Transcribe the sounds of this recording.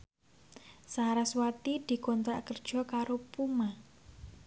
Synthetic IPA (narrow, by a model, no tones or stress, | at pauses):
saɾaswat̪id̪̥i̤kɔnt̪ɾakərd̥ʒ̥ɔ̤kaɾopuma